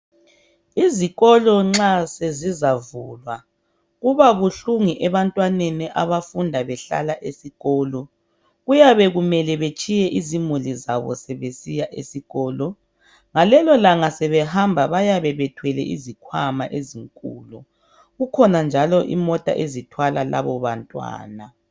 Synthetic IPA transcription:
iziɣɔlɔŋ͡ǁasezizavulwa | ɣuβaβuɬuŋiʔɛβantʼwaneniʔaβafundʱaβɛɬa̰laʔesiɣɔːlɔ | ɣujaβɛɣumɛlɛβet͡ʃʼijɛʔizimuliza̰βɔ̰sɛβesijaʔesiɣɔːlɔ | ŋalɛlɔlaŋasɛβɛhambʱaβajaβɛβɛtʰwɛlɛ̰ʔizikʰwama̰ʔeziŋkʼṵːlɔ | ɣukʰɔnand͡ʒʱalɔʔḭmɔtʼa̰ʔezitʰwalala̰βɔβantʼwa̰ːna

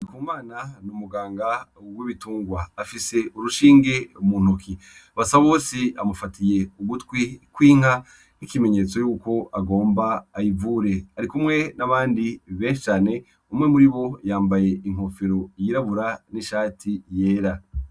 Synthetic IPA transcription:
ikuːmaːnanumuɡaːŋɡawiβituːŋɡwaːfise̞uɾuʃiːŋɡe̞mun̥uki | aβasaβaβoːsia̰mufatʰije̞uɡutkwikwiːŋ̥ha | nikime̞ɲe̞t͡so̞juːko̞aɡo̞ːmbaːjivuɾe̞aɾikumŋe̞naβaːndiβe̞ːʃi̥t͡ʃaːne̞ | umŋe̞muɾiβo̞jaːmbaje̞iŋ̥o̞fiɾo̞jiɾaβuɾaniʃaːtʰije̞ːɾa

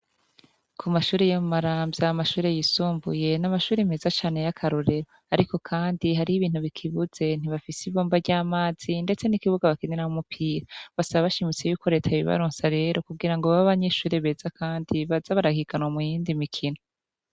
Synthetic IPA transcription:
kʰumaʃuːɾejomumaɾaːmbjaamaʃuːɾe̞jisuːmbṵje̞namaʃuːɾim̥e̞zat͡ʃaːne̞jakʰaɾoɾe̞ɾo | aɾiko̞kʰaːndiɦaɾiiβiːn̥huβikʰiβuz̥e̞n̥iβafisiβoːmbaɟaːmaːz̥inde̞t͡se̞nikiβuɡaβakinenahomupʰiːɾaβasaβaβaʃimit͡se̞juːko̞ɾe̞ːtʰaβiβa̰ɾoːnsaɾe̞ːɾo̞kuɡiɾaŋɡoβaβaβaɲe̞ʃuːɾeβe̞ːzakʰaːndiβazaβaɾahiɡanwamujiːndimikʰino

